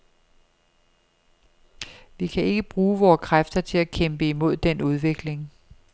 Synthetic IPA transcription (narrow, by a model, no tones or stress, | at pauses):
ʋikʰæe̝ɡ̥əb̥ʁuːʋɒːkʰʁafd̥ɐt͡sʰe̝lækʰemb̥əimo̝ð̞̰ˠd̥enuð̞ˠʋe̝ɡ̥le̝ŋ